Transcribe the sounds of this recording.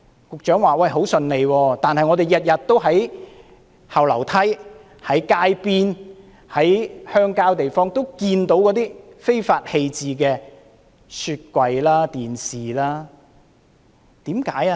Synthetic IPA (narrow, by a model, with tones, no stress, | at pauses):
kʊ˨k̚t͡ʃœː˨˥ŋwaː˨wɐ˧jɦo˨˥wsɵ˨˧nle˨˧jwɔː˧t̪aː˨nhɐ˨jŋɔ˨˧ɾe˨jɐ˨t̚jɐ˨t̚t̪ːo˥wɦɐ˨˥j | hɐ˨wlɐ˨˩wt̪ʰɐ˥j | hɐ˨˥jkaː˧˥jpiː˥n | hɐ˨˥jhœː˥ŋkaː˥wt̪e˨jfɔː˥ŋt̪o˥wkiː˧nt̪o˨˥wkɔː˨˥t̪iː˥fe˥jfaː˧t̚he˧jt͡siː˨k̬ɛː˧ | sʰyː˧t̚kʷɐ˧jlaː˥t̪iː˨˩nsiː˨˩laː˥ | t̪iː˨˥mkaː˨˥ja˧